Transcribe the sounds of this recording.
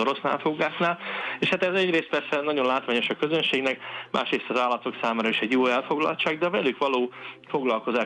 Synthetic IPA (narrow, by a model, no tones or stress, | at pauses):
oɾo̞sna̰ːlfoɡaːknaːleːʃhat̪ɛzɛɟreːst̪pɛrsɛnɒɟo̞nlaːt̪ʋaːɲo̞ʃɒkø̞zønʃeːɡnɛkmʔa̰ːʃreːst̪ɒzaːlːɒt̪o̞ksaːmaːɾɒiʃɛɟjoːɛlfo̞ɡlɒ̰lt͡ʃaːɡd̪ɛvɛlykʋɒloːfo̞ɡlɒlko̞zaː